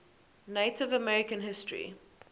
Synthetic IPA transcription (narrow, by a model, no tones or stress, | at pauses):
neɪtɪvəmɛɹɪkə̃nɦɪstɹḭ